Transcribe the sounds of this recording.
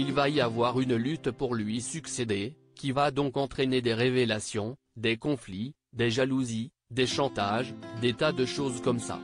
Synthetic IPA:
ilvaiavwaʁynlyt̪puʁlɥisyksed̪e | kʲivad̪ɔ̃kɑ̃t̪χened̪eʁevelasjɔ̃ | d̪ekɔ̃fli | d̪eʒaluzi | d̪eʃɑ̃t̪aʒd̪et̪ad̪əʃozkɔmsa̰

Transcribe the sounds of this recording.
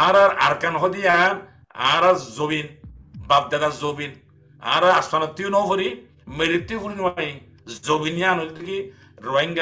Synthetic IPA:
aɾaɾa̰ɾkanɦɔd̪ijaɾ | a̰ːɾazobinbab̚d̪aɡazobin | a̰ːɾaːsanɔt̪ːijonɔfɔɾi | meɾit̪ːikuɾniwaji | zobinjanɔd̪it̪iki | ɾɔajŋɡa

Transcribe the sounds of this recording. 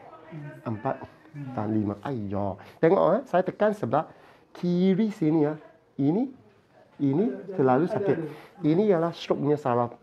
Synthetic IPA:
ʔəmpat̪̚ | t̪anlimaʔajd͡ʒɔt̪ɛŋɔ̰ʔhasajat̪əkansəbla | kʰiɹisinia | ini | init̪əlalusapeʔinijalasɾop̚nəsaɹap

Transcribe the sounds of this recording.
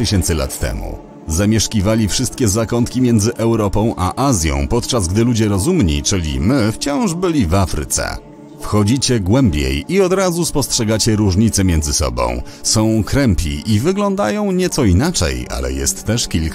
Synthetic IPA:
ɘɕɛnt̪sɘla̰t̪ːɛ̰mṵ | zamʲjɛʂkʲivalʲifʂɘst̪̚kʲɛzakɔnt̪kʲimʲjɛnd̪zɘʔɛwɾɔpɔ̃w̃ʔaʔazʲjɔ̰̃w̃pɔt̪t͡ʂazɡd̪ɘlud͡ʑɛɾɔzumɲḭt͡ʂɘlʲḭmɘft͡ɕɔ̃w̃ʐbɘlʲivafɾɘ̰t̪sɛ̰ | fxɔd͡ʑit͡ɕɛɡwɛmbʲjḛjiɔd̪ɾazuspɔstʂɛɡat͡ɕɛɾuʐɲit̪sɛmʲjɛnzɘsɔ̰bɔ̰̃w̃sɔ̃w̃kɾɛmpʲḭivɘɡlɔnd̪ajɔ̃w̃ɲɛt̪sɔinat͡ʂɛ̰ja̰lɛ̰jɛ̰st̪ːɛʂkʲilk

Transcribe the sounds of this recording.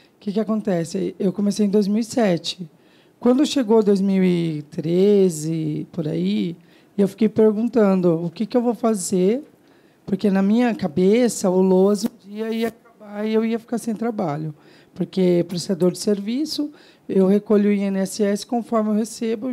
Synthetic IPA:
kɪkɪakõnt̪ɛsɪewkõmesejẽd̪ojzmiwisɛt͡ʃɪ̥ | kwɐ̃nd̪ʊʃeɡowad̪ojzmiwit̪ɾezɪpoɾa̰i | ewfi̥kejpeɾɡũnt̪ɐ̃d̪ʊʊkɪkɪewvowfazeɾ | poɾkenɐmĩɲɐkabesɐʊloɐzũd͡ʒiɐiɐkabaɪewiɐfi̥kaɾsẽj̃t̪ɾabaʎʊ | poɾkepɾest̪ad̪oɾd͡ʒɪseɾvisʊ | ewhekoʎʊiẽnɛsɪɛsɪ̥kõfɔɾmɪewhesebʊ

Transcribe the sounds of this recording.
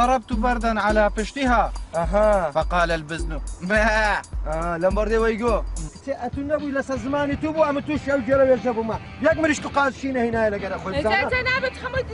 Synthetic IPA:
ɑɾˤɑb̚t̪ubɐɾd̪ɐnʕalaːpɪʃt̪iɦaːɐɦafɐqɑːlɐlbɪznumaalɐmbɐɾd̪ewɐjɡoːkt͡ʃʰeʔɐt̪unɐbujlɐsɐzɨmaːnit̪ubuʔɐmat̪uːʃiɐwd͡ʒeɾɐwed͡ʒɐbumɐ | jɐkmɨɾiʃkuqaːzʃiːnɐhinaːjelɐɡɐɾɐxoːjzaːad͡ʒɐnaːbɐt̪xɐmɐ

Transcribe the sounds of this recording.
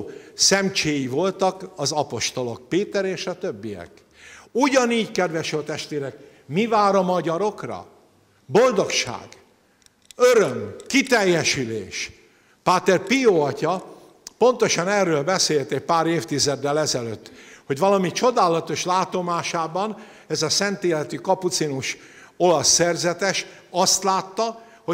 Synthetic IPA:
sɛmt͡ʃeːjivo̞lt̪ɒkɒzɒpo̞ʃt̪o̞lok̚peːt̪ɛɾeːʃɒt̪ø̞bːijɛ̰k | uɟɒniːɟkɛd̪ʋɛʃølt̪ɛʃt̪ʋeːɾɛk | mivaːɾɒmɒɟɒɾo̞krɒ̰ | bo̞ld̪o̞kʃa̰ːɡ̥ | øɾømkit̪ɛjːɛʃylḛːʃ | paːt̪ɛrpijoːɒcɒ | po̞nt̪o̞ʃɒnɛːrːøːlbɛseːlt̪ɛc̚paːɾeːft̪izɛd̪ːɛlɛzɛløːt̪ːho̞ɟvɒlɒmit͡ʃo̞d̪aːlɒt̪o̞ʃlaːt̪o̞maːʃaːbɒn | ɛzɒsɛnt̪eːlɛt̪ykɒput̪sinuʃ | o̞lɒsːɛrzɛt̪ɛʃ | ɒst̪laːt̪ːɒ | ho

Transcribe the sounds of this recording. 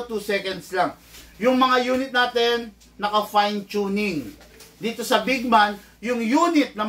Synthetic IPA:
t̪usɛkɐnd̪slaŋjʊŋmɐŋajuːnɪt̪̚naːt̪ɛnː | ɐkɐfajnt͡ʃunɪŋd̪iːt̪o̞sɐbɪɡ̚man | jʊŋjuːnɪt̪̚nɐm

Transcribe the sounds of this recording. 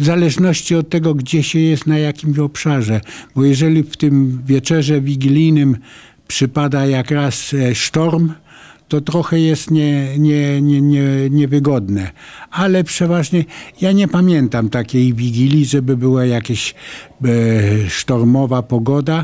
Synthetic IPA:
vzalɛʐnɔɕt͡ɕiɔt̪̚ːɛɡɔɡd͡ʑɛɕɛjɛst̪najakʲimɕɔpʂaʐɛbɔjɛʐɛlʲift̪ɘmvʲjɛt͡ʂɛʐɛvʲiɡʲilʲijnɘm | pʂɘpad̪ajakɾasʂt̪ɔɾm | t̪ɔt̪ɾɔxɛjɛst̪ɲɛɲɛɲɛɲɛɲɛvɘɡɔd̪nɛalɛpʂɛvaʐɲɛjaɲɛpamʲjɛnt̪amt̪akʲejvʲiɡʲilʲiʐɛbɘbɘwajakʲeɕ | ʂt̪ɔɾmɔvapɔɡɔd̪a

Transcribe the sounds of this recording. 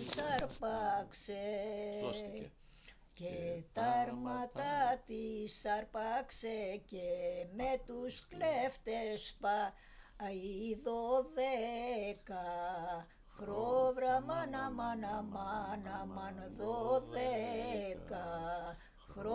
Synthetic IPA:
sɐɾpɐkse | cet̪ɐɾmɐt̪ɐt̪isɐɾpɐksecemet̪uskleft̪espɐ | iðoðekɐ | xɾovɾɐmɐnɐmɐnɐmɐnɐmɐnðoðekɐ | xɾo

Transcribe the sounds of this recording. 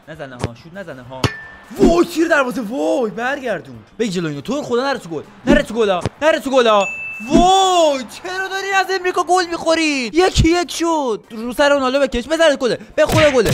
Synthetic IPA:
næzæneɦɒ̰ːʃud̪næzæneɦɒː | vojt̪ʰiːɾd̪æɾmɔːzevojbæɾɟæɾd̪uːnb̥eɡʲid͡ʒe̞loinot̪ʰoɾxod̪ɒːnæɾet̪ʰuɡol | næɾet̪ʰuɡolɒnæɾet̪ʰuɡolːvojt͡ʃʰeɾɔd̪ɒɾiːmæze̞mɾiːkɒːɡolmiːxoɾijekʰijekʰʃod̪̥̚ɾusæɾeonɒːlobekʰeʃbezæɾet̪̚ʰɡoleb̥exoɾeɡole

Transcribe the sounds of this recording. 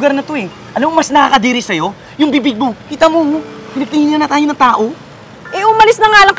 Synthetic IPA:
ɡɐɾnɐt̪o̞ɛ | ʔɐlɐmomɐsnɐkaːkɐd̪iːɾɪsɐjo̞ | jʊŋbiːbɪɡ̚mokiːt̪ɐmopɪnɐɡ̚t̪ɪŋiːŋɐnɐt̪aːjoɐŋt̪aːʔo̞ | ʔɛʔʊmɐlɪsnɐŋaːlɐŋk

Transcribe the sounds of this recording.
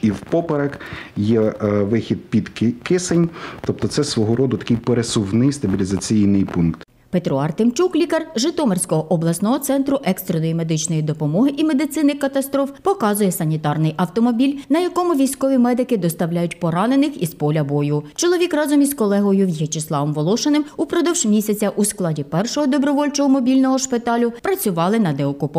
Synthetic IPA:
iwpɔpeɾɐkjɛʋɪxʲid̪̚pʲid̪kɪsenʲt̪ɔp̚t̪ɔt̪sɛsʋɔɦɔɾɔd̪ʊt̪ɐ̥kɪjpeɾesʊwnɪjst̪ɐbʲilʲizɐt͡sʲijnɪjpunkt̪ | pet̪ɾɔɑrt̪emt͡ʃuklʲikɐrʒɪt̪ɔmerʲsʲkɔɦɔʔɔblˠɐsnɔɦɔt̪sɛnt̪ɾʊʔɛkst̪ɾenɔjime̞d̪ɪt͡ʃnɔjid̪ɔpɔmɔɦɪʔime̞d̪ɪt̪sɪnɪxkɐt̪ɐst̪ɾɔfpɔkɑzʊjɛsɐnʲit̪ɑrnɪjʔɐwt̪ɔmɔbʲilʲnɐjɐkɔmʊʋʲijsʲkɔʋʲimɛd̪ɪkɪd̪ɔst̪ɐwlʲajʊtʲpɔɾɑnenɪxizpɔlʲɐbɔjʊt͡ʃɔlˠɔʋʲikrɑzɔmʲizkɔlˠɛɦɔjʊjet͡ʃɪslˠɑʋɔmʋɔlˠɔʃɐnɪmupɾɔd̪ɔwʒmʲisʲɐt͡sʲɐʔusklˠɑdʲipɛrʃɔɦɔd̪ɔbɾɔʋɔlʲt͡ʃɔɦɔmɔbʲilʲnɔɦɔʃpɪt̪ɑlʲʊpɾɐt͡sʲʊʋɑlˠɪnɐd̪ɛɔkʊpɔ

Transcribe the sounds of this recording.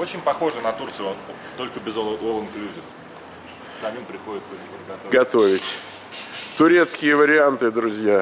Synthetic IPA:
ot͡ɕɪnʲpɐxo̞ʐɨnɐt̪urt̪sɨjot̪o̞lʲkəbʲɪzolˠənklʲuzʲɪx | sɐmʲimpɾʲɪxo̞dʲɪt̪səɪoɡɐt̪oɡɐt̪o̞vʲɪtʲ | t̪ʊɾʲe̞t̪skʲɪjəvəɾʲɪant̪ɨd̪ɾʊzʲja

